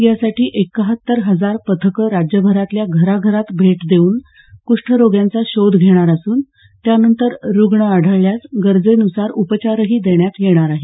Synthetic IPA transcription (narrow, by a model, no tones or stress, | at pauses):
jasaʈiːʔekːəɦət̪ːəɾɦəd͡zaɾpət̪ʰəkəɾad͡ʑjəbʱəɾat̪ljaɡʱəɾaɡʱəɾat̪bʱeʈd̪euːn | kuʂʈʰəɾoɡjant͡saɕod̪ʱɡʱeɽ̃aɾəsuːn | t̪janənt̪əɾɾuɡɳəaɽ̤ʱəɭljat͡sɡəɾd͡zenusaɾupət͡ɕaɾəɦiːd̪eɳjat̪jeɽ̃aɾaɦe